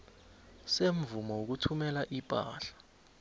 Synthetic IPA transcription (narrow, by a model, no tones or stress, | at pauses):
seɱ̩vumɔwok̬utʰumɛlaʔipʼa̰ːɬḁ